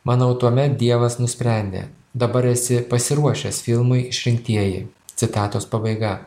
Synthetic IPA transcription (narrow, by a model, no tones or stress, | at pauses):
mʔɑnɐʊt̪uɔmʲɛt̪̚d̪ʲiɛʋɐsnʊsʲpʲɾʲæˑnʲd̪ʲḛː | d̪ɐbɐɾɛsʲɪpɐsʲɪɾuɔʃʲɛsfʲɪlˠmʊɪɪʃʲɾʲɪŋʲkt̪ʲiɛjɪ̰t̪sʲɪt̪ɑːt̪oːspɐbɐɪɡɐ